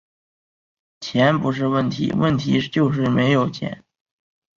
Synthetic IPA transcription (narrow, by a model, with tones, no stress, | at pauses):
t͡ɕʰjɛ˧˥npu˧˥ʂ̬ɻ̩˥˧wə˥˩nt̪ʰḭ˧˥wə̰˥˩nt̪ʰḭ˧˥t͡ɕjo˥˧ʊʂ̬ɻ̩˥˩me˧˥ɪjo˨˩ʊt͡ɕʰjɛ̰˧˥n